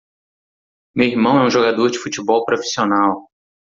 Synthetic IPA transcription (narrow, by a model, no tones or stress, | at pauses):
mewiɾmɐ̃w̃ɛũʒoɡad̪oɾd͡ʒɪfut͡ʃibɔwpɾofi̥sionaw